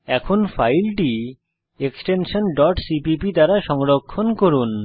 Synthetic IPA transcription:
ɛkʰonfajlʈi | eksʈenʃonɖɔʈsipipid̪aɾaʃɔŋɾokʰːonkoɾun

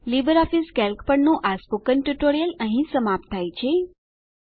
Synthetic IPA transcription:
libəɾɔfiskɛlkpəɳnõʔaspokənʈuʈoɾijələɦĩsəmap̚t̪ʰːajt͡ʃʰe

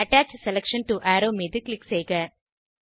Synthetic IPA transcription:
ɐʈæːt͡ʃselekʂɐnʈuʔæːɾoːmiːd̪ikliksejɡa

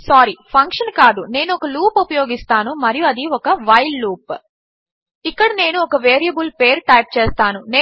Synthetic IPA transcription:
saːɾipʰɐŋkʂɐnkaːd̪une̞ːnuɔkɐluːpupɐjo̞ːɡist̪aːnumɐɾijuɐd̪iɔkɐʋɐjlːuːp | ikːɐɽɐne̞ːnuɔkɐʋeːɾijɐbulpeːɾʈɐjp̚t͡ʃeːst̪aːnuneː

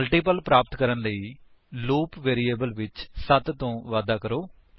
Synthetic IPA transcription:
lʈiːpəlpɾaːpət̪kəɾənləiː | loːpʋeːɾiːeːbəlʋɪt͡ʃsət̪t̪õːʋaːd̪aːkəɾoː

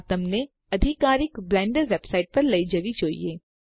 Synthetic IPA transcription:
t̪ɐmne | ɐd̪ʱɪkaːɾɪkblɛ̃ːɳɖəɾʋebsaːɪʈ̚pɐɾlɐid͡ʒɐʋit͡ʃoːḭeː

